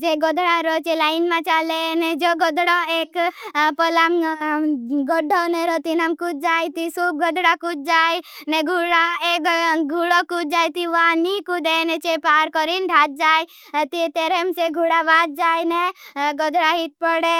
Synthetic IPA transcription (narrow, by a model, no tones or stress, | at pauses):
d͡ʒeɡɔd̪ɽaɾot͡ʃelaːɪnmãt͡ʃalenɛd͡ʒoɡɔd̪ɽoekpɔlam | ɡɔɖʱoneɾɔt̪inamkud͡ʒ̚d͡ʒajt̪isub̚ɡɔd̪ɽakut͡ʃ̚d͡ʒaːjneɡʱuɽaek̪ɡʱuɽokut͡ʃ̚d͡ʒaːjt̪iʋãnikud̪enet͡ʃepaːɾkɔɾinɖʱat̪̚d͡ʒaːj | t̪it̪eɾemseɡʱuɽaʋat̪̚d͡ʒaːjneɡɔd̪ɽaɦit̪̚pɔɽe